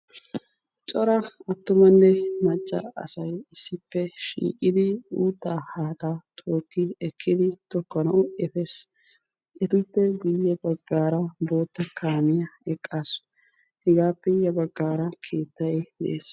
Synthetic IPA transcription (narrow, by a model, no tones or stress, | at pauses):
t͡ʃʼɔɾɐɐt̪ːʊmɐnːɛmɐt͡ʃʼːɐ̰ɐ̰sɐjɪsːɪpːɛʃḭːkʼɪd̪ɪuːt̪ːaːhaːt̪at̪ʰʼoːkːɪɛkʰːɪd̪ɪt̪ɔkːɔnɐʔʊɛfeːs | ʔɛt̪ʊpːɛɡʊjːɛbɐɡːaːɾɐbo̞ːt̪ːɐkʰaːmɪjɐɛkʼːaːs | hɛɡaːpːɛjɐbɐɡːaːɾɐkʰe̞ːt̪ːɐjd̪ɛʔeːs